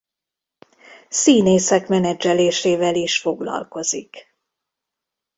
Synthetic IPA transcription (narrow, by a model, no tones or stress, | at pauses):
siːneːsɛkmɛnɛd͡ʒɛleːʃeːvɛliʃfo̞ɡlɒ̰lko̞zik